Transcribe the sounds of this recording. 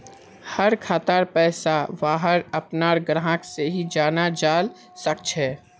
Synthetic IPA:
həɾkʰaːt̪aɾpɛːsabaːɦəɾəpnaɾɡɾaɦãkseɦid͡ʒaːnad͡ʒaːl | sək̚t͡ʃʰɛː

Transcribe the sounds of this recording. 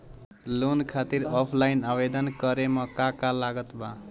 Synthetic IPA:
lonkʰat̪iɾɔpʰlajnabed̪ʌnkʌɾemʌkakalaɡʌt̪bã

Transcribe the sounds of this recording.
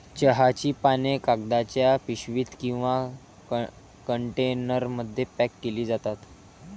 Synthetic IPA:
t͡ɕəɦat͡ɕiːpanekaɡ̚d̪at͡ɕjapiɕʋiːt̪kĩw̃ʋa | kəɳʈenəɾməd̪ʱːjepækːeliːd͡zat̪at̪

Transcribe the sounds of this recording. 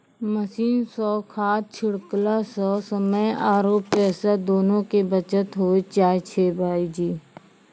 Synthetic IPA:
məsiːnsɔːkʰaːt̪̚t͡ʃʰɪɽklasɔːsəməjaːɾoːpːɛːsad̪oːnõkebət͡ʃət̪ɦoːit͡ʃaːjt͡ʃʰeːbʱaːid͡ʒiː

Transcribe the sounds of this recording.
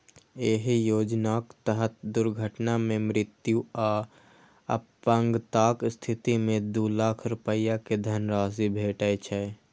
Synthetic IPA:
eːɦjoːd͡ʒnakt̪əɦət̪̚d̪ʊɾɡʱəʈnamẽmɾɪt̪juaː | ə̰pːəŋɡt̪aːkst̪ʰɪt̪imẽd̪ulaːkʰɾʊpəjaked̪ʱənɾaːsibʱeːʈət͡ʃʰɛ

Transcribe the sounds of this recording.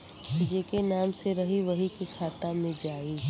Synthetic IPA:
bɪd͡ʒekenaːmseɾɐɦiʋɐɦikikʰaːt̪amẽd͡ʒaːiː

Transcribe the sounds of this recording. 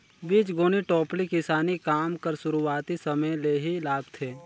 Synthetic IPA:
biːt͡ʃɡoːniʈɔːplikɪsaːnikaːmkəɾsʊɾuaːt̪isɐməjleːɦilaːɡt̪ʰeː

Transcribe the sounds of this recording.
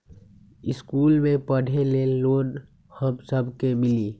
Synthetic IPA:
ɪskuːlmẽpəɽ̤ʱeleloːn | həbsəbʱkemɪliː

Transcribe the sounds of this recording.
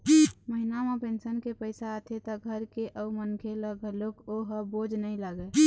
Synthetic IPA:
məɦinamepẽːnsənkepəɪsaət̪ʰet̪ɔɡʱəɾkeʔəumənkʰeləɡəlokoɦəboːd͡ʒʱnəĩlaɡe

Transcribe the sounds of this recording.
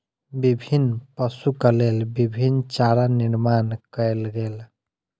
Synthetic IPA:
bibʱinpəsukəlelbibʱint͡ʃaɾaniɾmankəelɡel

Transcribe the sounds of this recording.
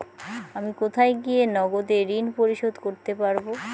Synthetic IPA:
amikot̪ʰajɡienɔɡod̪eɾinpoɾiʃod̪koɾt̪epaɾbo

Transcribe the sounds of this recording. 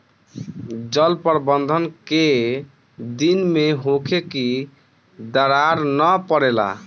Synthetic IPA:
d͡ʒəlpəɾbənd̪ʱənke | d̪inmeɦokʰeki | d̪əɾaɾnəpəɾela̰

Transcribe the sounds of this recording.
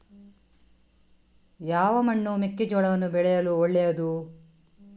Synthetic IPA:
jaːʋɐmɐɳːumikːid͡ʒɔɭɐʋɐnːubɛɭɛjɐluoɭːɛjɐd̪u

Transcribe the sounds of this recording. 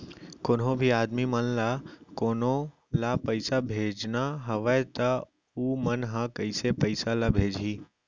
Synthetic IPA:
konɦõbʱiaːd̪mimənlakoːno | lapəɪsabʱeːd͡ʒnaɦəʋət̪ə | uːmənɦãkəisepəɪsalabʱeːd͡ʒʱiː

